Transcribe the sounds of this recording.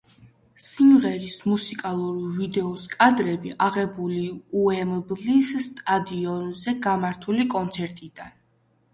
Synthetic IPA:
simʁɛɾismusikʼalˠuɾvid̪ɛɔskʼad̪ɾɛbiʔaʁɛbuliuɛmblisːt̪ʼad̪iɔnzɛɡamaɾt̪ʰulikʼɔnt̪sʰɛɾt̪ʼid̪an

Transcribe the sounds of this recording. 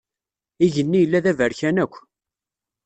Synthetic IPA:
iʝənːijəlːæðævəɾçænækʷː

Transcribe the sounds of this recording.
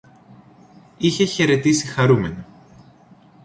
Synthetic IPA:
içe̞çe̞ɾe̞t̪isixɐɾume̞nɐ

